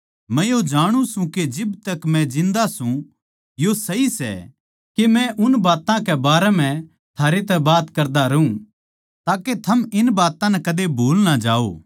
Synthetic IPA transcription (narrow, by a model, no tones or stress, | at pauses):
mɛ̃jod͡ʒaːɽ̃ũsũked͡ʒɪbt̪ɐkmɛ̃d͡ʒɪ̃nd̪asũ | josɐɦisɛ̰ | kemɛ̃ʔʊnbaːt̪ãkɛbaːɾɛm̤ɛ̃ | t̪ʰaːɾet̪̬ɛbaːt̪kɐɾd̪aɾɐɦũ | t̪aːket̪ʰɐmɪnbaːt̪ãnɛkɐd̪ebʱoːlnad͡ʒaːo̰ː